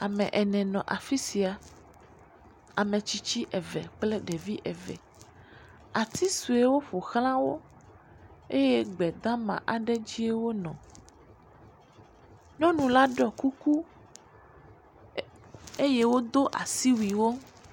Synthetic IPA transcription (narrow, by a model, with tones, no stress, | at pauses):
a˨mɛ̃˨ʔɛ˨nɛ̃˨nɔ̃˨ʔa˨fi˦si˨a˨ | a˨mɛ̃˨t͡ɕi˦t͡ɕi˦ʔɛ˨vɛ̰˨k͡plɛ˦ɖɛ˨vi˦ʔɛ˨vɛ̰˨ | a˨t̪i˦su˨e˦wo˦ɸo˨xlã˦wo˦ | e˦je˦ɡ͡bɛ˨d̪ã˦mã̰˨ʔa˨ɖɛ˦d͡ʑi˦e˦wo˦nɔ̃˨ | nɔ̃˦nũ˨la˦ɖɔ˨ku˦ku˦ | e˦je˦wo˦d̪o˦ʔa̰˨si˦wi˨wo˦